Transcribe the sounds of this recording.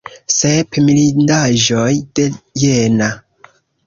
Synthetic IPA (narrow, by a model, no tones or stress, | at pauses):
sepmilindaʒo̞jde̞jena